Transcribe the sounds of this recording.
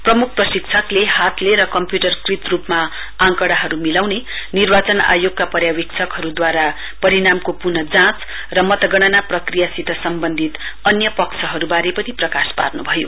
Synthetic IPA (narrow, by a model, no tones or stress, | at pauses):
prʌmuk̚ʰprʌsik̚t͡sʰʌklehat̪leɾʌkʌmpjuʈʌrkrit̪rupma | ãŋkʌɽaɦʌɾumilawne | nirbat͡sʌna̰joɡkapʌɾjawikt͡sʰʌkɦʌɾud̪waɾa | pʌɾiɽamkopunʌd͡zãt͡s | rʌmʌt̪ʌɡʌɽ̃ʌnaprʌkrijasit̪ʰʌsʌmbʌnd̪ʱit̪ | ʌnjʌpʌkt͡sʰʌɦʌɾubaɾepʌniprʌkaspa̰rnubʱʌjo̰